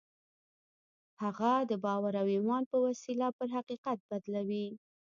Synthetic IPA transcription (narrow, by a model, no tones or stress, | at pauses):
haɣad̪əbɑwaɾawimɑnpəwasilapəɾɦaqiqat̪̚bad̪lawi